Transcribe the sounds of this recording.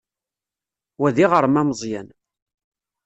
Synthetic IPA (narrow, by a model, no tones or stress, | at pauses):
wæðiʁəɾˤmæmzˤjæn